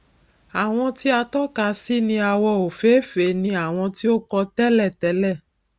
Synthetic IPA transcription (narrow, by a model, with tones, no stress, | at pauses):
a˨w̃ɔ̃˧ti˦a˧tɔ˦ka˧si˦nĩ˧a˧wɔ˧o˨fe˨˦fe˨˦nĩ˧a˨w̃ɔ̃˧ti˦o˦kɔ˧tɛ˦lɛ˦˨tɛ˨˦lɛ˦˨